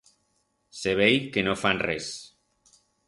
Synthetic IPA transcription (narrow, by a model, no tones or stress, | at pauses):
seβ̞ejkenofanres